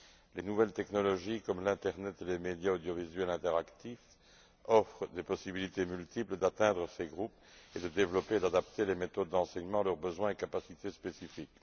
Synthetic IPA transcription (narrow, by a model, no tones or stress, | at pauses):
lenuvɛlt̪ɛknɔlɔʒikɔmlɛ̃t̪ɛʁnɛt̪elemed̪jaod̪jɔvizɥɛlɛ̃t̪ɛʁakt̪if | ɔfχəd̪epɔsibilit̪emylt̪ipləd̪at̪ɛ̃d̪ʁəseɡʁup | ed̪əd̪evlɔpeːd̪ad̪apt̪elemet̪ɔd̪̚ːɑ̃sɛɲmɑ̃lœʁbəzwɛ̃ekapasit̪espesifik